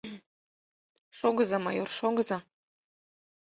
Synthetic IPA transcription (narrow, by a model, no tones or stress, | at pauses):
ʃoɡɤ̆zɑmɑ̰jorʃoɡɤ̆zɑ